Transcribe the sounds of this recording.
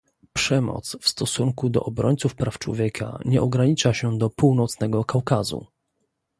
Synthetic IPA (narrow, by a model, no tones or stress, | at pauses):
pʂɛmɔ̰t̪sfst̪ɔsuŋkud̪ɔ̰ʔɔbɾɔɲt̪sufpɾaft͡ʂwɔ̰vʲjɛkʰa̰ɲɛʔɔɡɾaɲit͡ʂaɕɛd̪ɔpuwnɔt̪snɛɡɔkawkazṵ